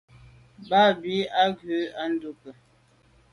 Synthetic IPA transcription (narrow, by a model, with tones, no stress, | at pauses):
ba˦˨bi˨˦a˦ɡʉ˨˦a˦n̩˦du˦pə˨